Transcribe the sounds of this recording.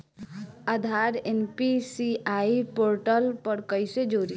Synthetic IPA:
əd̪ʱaːɾenpisiaːipoːɾʈəlpəɾkəised͡ʒoːɾi

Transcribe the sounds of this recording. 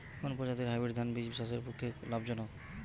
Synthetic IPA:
konpɔd͡ʑat̪iɾɦajbiɾd̪ʱanbid͡ʑbisas̬eɾpukʰːeklabd͡ʑɔno

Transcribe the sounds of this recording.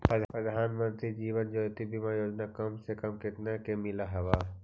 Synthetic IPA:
pɾəd̪pɾəd̪ʱaːnmə̃nt̪ɾid͡ʒiːʋənd͡ʒoːt̪ibʱimãjoːd͡ʒnakɐmsekɐmkɪt̪nakemɪlaɦɛʋaː

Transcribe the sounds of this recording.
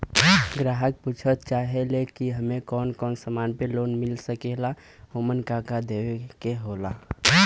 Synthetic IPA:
ɡɾaɦək̚put͡ʃʰət̪̚t͡ʃaɦelekiɦəmekɔnkɔnsəmanpelonmilsəkela | homənkakad̪ebekeɦola

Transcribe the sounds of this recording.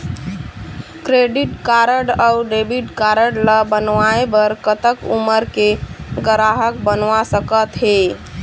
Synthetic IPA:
kɾeɖiʈkaɾəɖaʊɖebiʈkaɾəɽləbənʋaebəɾkət̪əkuməɾkeɡəɾaɦək̚bənʋasəkət̪ɦe

